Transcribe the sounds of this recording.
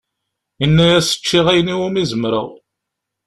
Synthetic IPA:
inːæjæsə̥t͡ʃːiʁæjniwʊmizəmɾə̰ʁ

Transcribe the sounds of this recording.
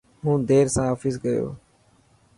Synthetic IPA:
ɦũːd̪eːɾsãːɦəfiːsɡəjo̰ː

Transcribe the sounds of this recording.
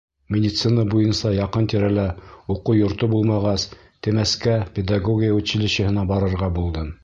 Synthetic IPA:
mʲɪdʲɪt̪sɨnəbujɤnsɑjɑqɤnt̪iɾælæuqujŏɾt̪obulˠmɑʁɑs | t̪ɘ̆mæskæpʲed̪aɡoɡʲɪjaʉt̪ɕɘ̆lɘ̆ɕɘ̆hɘ̆nɑbɑɾɤ̆ɾʁɑbulˠd̪ɤm

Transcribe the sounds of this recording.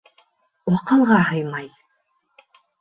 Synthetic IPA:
wɑqɤ̆lˠʁɑɦɤjmɑj

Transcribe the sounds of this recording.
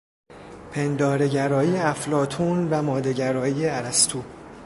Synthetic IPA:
pʰe̞nd̪ɒːɾeɟæɾɒːiːjeæflɒːt̪ʰunvæmɒːd̪e̞ɟæɾɒːiːjeæɾæst̪ʰuː

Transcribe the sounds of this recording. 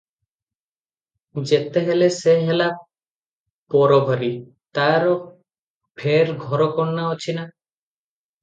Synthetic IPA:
d͡ʒet̪eɦeleseɦela | pɔɾoɡʱɔɾi | t̪aɾɔ | pʰeɾɡʱɔɾɔkɔɳnaot͡ʃʰina

